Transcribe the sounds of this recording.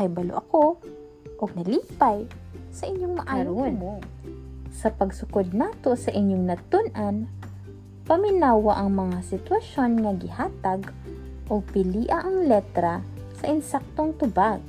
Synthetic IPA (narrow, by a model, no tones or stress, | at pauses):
ɐjbɐlo̰ʔɐko̞ | ʔoɡ̚nɐliːpɐjsɐʔɪɲːoŋmɐʔaːɾon | sɐpɐɡsʊkod̪̚naːt̪o̞sɐʔɪɲːoŋnɐt̪ʊnʔɐn | pɐmɪnaːwɐʔɐŋmɐŋasɪt̪wɐʃo̞nŋɐɡɪhaːt̪ɐɡ | ʔopɪliːʔɐʔɐŋlɛt̪ɾɐ | sɐʔɪnsak̚t̪oŋt̪ʊbaɡ̚